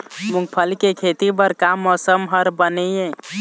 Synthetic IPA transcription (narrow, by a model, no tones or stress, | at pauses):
mũŋɡ̚pʰəlkekʰet̪ibəɾkamːɔsəmɦəɾbənɛjẽ